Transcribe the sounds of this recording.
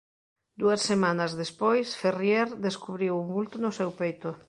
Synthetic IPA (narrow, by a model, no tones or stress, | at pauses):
d̪uɐsːemanɐzðespojsferjeɾd̪eskuβɾiwumbult̪ʊnʊsewpejt̪ʊ